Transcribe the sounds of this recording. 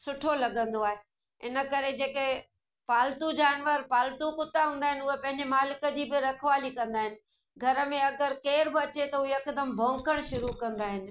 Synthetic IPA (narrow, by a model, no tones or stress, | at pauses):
sʊʈʰolɐɡə̃nd̪oaːɦe | ɪ̰nə̆kɐɾed͡ʑeːke | paːlt̪ud͡ʑaːnʋəɾpaːlt̪ukʊt̪aɦũːnd̪aːɦɪnɪ̆ʊɦepɐ̃ɦɪ̃ɲd͡ʑemaːlɪkə̆d͡ʑiːbɪɾɐkʰʋaːlikɐ̃nd̪aːɦɪnɪ̆ | ɡʱɐɾə̆mẽɐɡəɾkeːɾbɪɐt͡ɕet̪ɐuɦeɐkd̪əmbʱõːŋkəɽ̃ʃʊɾukɐ̃nd̪aːɦɪnɪ̆